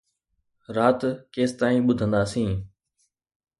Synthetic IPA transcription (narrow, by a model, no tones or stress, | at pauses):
ɾaːt̪keːst̪aːĩːɓʊd̪ʱə̃nd̪aːsĩː